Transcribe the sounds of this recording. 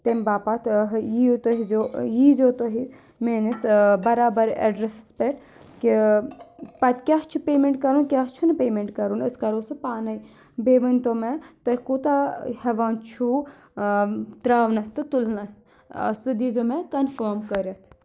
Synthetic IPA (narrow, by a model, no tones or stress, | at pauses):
t̪emʲbaːpat̪ʰɦjiot̪oɦizojizoːt̪oɦi | meːnisbɐɾaːbɐɾḛɖɾesspeʈ | ki | pɐt̪kʲaɦt͡ʃʰupeːmeɳʈkɐɾunkʲaɦt͡ʃʰunɨpeːmeɳʈkɐɾunəskɐɾosɨpaːnɐj | beːʋɐnt̪omet̪ɐɦikuːt̪ahɐʋaːnt͡ʃʰu | t̪ɾaːʋnɐst̪ɨt̪ulnɐs | ɐ̰st̪ɨd̪izomekɐnfəːɾmkəɾɐt̪ʰ